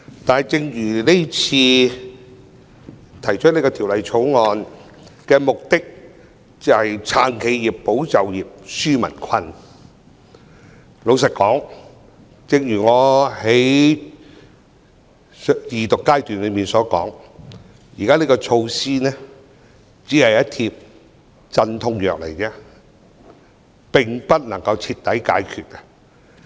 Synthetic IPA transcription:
t̪aː˨n˨jt͡sɪ˧ŋjyː˨˩le˥t͡sʰiː˧ | t̪ʰɐ˨˩jt͡ʃʰɵ˥le˧jkɔː˧t̪ʰiː˨˩wlɐ˨˧jt͡sʰo˨˥wŋɔː˨˧n | kɛː˧mʊ˨k̚t̪ɪ˥k̚ | t͡sɐ˨˧hɐ˨jt͡sʰaː˨˩nkʰe˨˧jjiː˨˩ppːo˨˥wt͡sɐ˨wjiː˨p̚syː˥mɐ̰˨˩nkʰɐ˧n | lo˨˧ws̬ɐ˨t̚kɔː˨˥ŋ | t͡sɪ˧ŋjyː˨˩ŋɔː˨˧he˨˥j | jiː˨t̪ʊ˨kːaː˥jt̪yː˨nlɵ˨˧jmiː˨nsɔː˨˥kɔ̰ː˨˥ŋ | jḭ˨˩kaː˥le˧˥kɔː˧t͡ʃʰo˧wsiː˥nɛː˥ | t͡siː˨˥hɐ˨jɐ˦˥t̚t̪ʰi˧p̚ | t͡sɐ˧nt̪ʰʊ˧˥ŋjœː˨k̚lḛ˨˩jt͡sɛː˧˥ | pɪ˨˩ŋpɐ˥t̚nɐ˨˩ŋkɐ˧wt͡sʰiː˧t̪ːɐ˨˥jka̰ː˨˥jkʰyː˨˧t̚kɛ˧˥

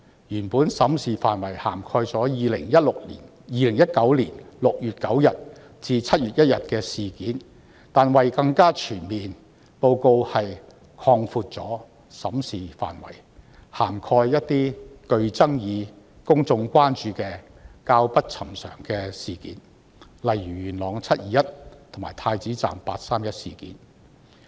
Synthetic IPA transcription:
jyː˨˩npuː˨˥nsɐ˨˥msiː˨faː˨nwɐ˨˩jha̰ː˨˩mkʰɔː˧jt͡sɔː˨˥jiː˨lɪ̰˨˩ŋjɐ˥t̚lʊ˨k̚liː˨˩n | jiː˨˧lɪ˨˩ŋjɐ˥t̚kɐ˨˥wliː˨˩nlʊ˨k̚jyː˨t̚kɐ˨˥wjɐ˨t̚ | t͡siː˧t͡sʰɐ˥t̚jyː˨t̚jɐ˥t̚jɐ˨t̚kɛː˧siː˨kiː˨˥n | t̪aː˨nwɐ˨jkɐ˧ŋkaː˥t͡ʃʰyː˨˩nmiː˨n | po˧wko˧whɐ˨j | kʰɔː˧ŋfuː˧t̚t͡sɔ̰ː˨˥ | sɐ˨˥msiː˨fa̰ː˨˩nwɐ̰˨˩j | haː˨˩mkʰɔː˧jjɐ˥tt̪iː˥kɵ˧ɥt͡sɐ˥ŋjiː˨˧ | kʊ˥ŋt͡sʊ˧ŋkʷaː˥nt͡ʃyː˧kɛː˧ | kaː˧wpɐ˥t̚t͡sʰɐ˨˩msœ̰ː˨˩ŋkɛː˧siː˨kḭː˨˥n | lɐ˨jɥyː˨˩ɥyː˨˩nlɔː˨˥ŋt͡sʰɐ˥t̚jiː˨˧jɐ˥t̚t̪ʰo˨˩ŋmaː˨˩jt̪ʰaː˧jt͡siː˨˥t͡sa̰ː˨mpaː˧t̚saː˥mjɐ˥t̚siː˨˩kḭː˨˥n

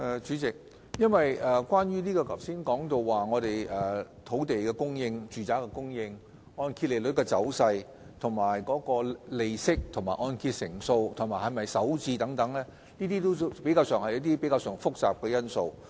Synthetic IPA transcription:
ʔɛː˨˩t͡ʃyː˨˥t͡sɪ˨k̚ | jɐ˥nwɐ˨jɛː˨˩kʷaː˥njyː˥niː˥kɔː˧kʰɐ˨˩wsiː˥nkɔː˨˥ŋt̪o˧wːaː˨ŋɔː˨˧ɾe˨jʔɛː˨˩t̪ʰo˨˥wt̪e˨jkɛ˧kʊ˥ŋjɪ˧ŋt͡ʃyː˨t͡saː˨˥kɛ˧kʊ˥ŋjɪ˧ŋ | ɔː˧nkʰiː˧t̚le˨˩lɵ˨˥t̚kɛː˧t͡sɐ˨˥wsɐ˧j | t̪ʰʊ˨˩ŋmaː˨˩jkɔː˨˥kɔː˧le˨jsɪ˥k̚t̪ʰʊ˨˩ŋmaː˨˩ʔɔː˧nkʰiː˧t̚sɪ˨˩ŋso˧wt̪ʰʊ˨˩ŋmaː˨˩hɐ˨˩jmɐ˨jsɐ˨˥wt͡siː˧t̪ɐ˨˥ŋt̪ɐ˨˥ŋlɛː˥ | niː˥t̪iː˥t̪o˥wpe˨˥jkaː˧wsœː˨˩ŋhɐ˨jɐ˥t̚t̪i˥pe˨˥kaː˧wsœː˨˩ŋfʊ˥k̚t͡sa̰ː˨p̚kɛː˧jɐ˥nso˧w

